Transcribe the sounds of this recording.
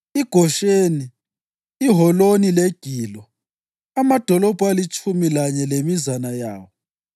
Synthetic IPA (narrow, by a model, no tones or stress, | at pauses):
iɡ̥ʱɔʃeniː | ɦɔlonileɡ̥ʱiːlɔ | amad̥ʱɔlɔb̥ʱualit͡ʃʼʰumilaɲɛlemizanajaːwɔ